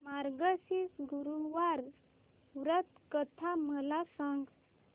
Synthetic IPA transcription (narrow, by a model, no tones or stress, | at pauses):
maɾɡəsisɡuɾuʋaɾ | ʋɾət̪kət̪ʰaməlasaŋɡ